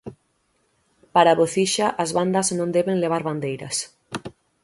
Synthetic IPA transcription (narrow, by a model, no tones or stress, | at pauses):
paɾaβoθiʃɐʔɐzβand̪ɐznõnd̪ɛβeŋleβ̞aɾβand̪ejɾɐ̰s